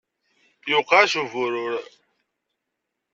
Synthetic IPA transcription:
jʊqːɑʃuvʊɾʊɾ

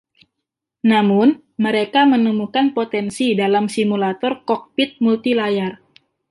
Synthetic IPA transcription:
namʊn | məɾekamənəmukanpot̪ɛnsidalamsimulat̪ɔrkɔk̚pit̪̚mult̪ilajar

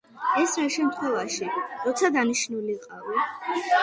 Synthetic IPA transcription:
ɛsɾaʃɛmt̪ʰχwɛvaʃiɾɔt̪sʰad̪aniʃnuliqʼavi

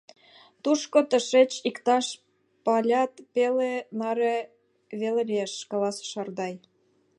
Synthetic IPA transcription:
t̪uʃkot̪ə̆ʃet͡ɕikt̪ɑʃ | pɑlʲɑt̪pelenɑɾe | βelelʲieʃkɑlɑsʃɑrd̪ɑj

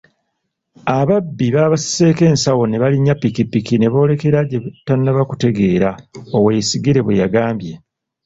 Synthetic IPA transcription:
aβabːiβaβasi̥seːke̞ːnsawo̞ne̞βaliɲːapːikipikine̞βo̞ːle̞ke̞ɾaɟeβutːanːaβaku̥te̞ɡe̞ːɾaowe̞ːsiɡiɾe̞βwejaɡaːmbje̞

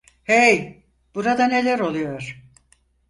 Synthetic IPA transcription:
hej | b̥uɾad̪ane̞lʲæɾo̞lˠujo̞ɾ̥

